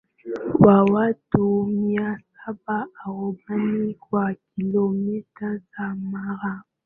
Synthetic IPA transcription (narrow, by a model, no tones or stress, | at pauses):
wawatumiasabaaɣomanikwakilomitasamaɾa